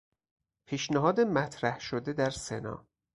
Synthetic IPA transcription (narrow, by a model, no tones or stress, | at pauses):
pʰiːʃnæɦɒːd̪emæt̪ʰɾæhʃod̪ed̪æɾsḛnɒ̰ː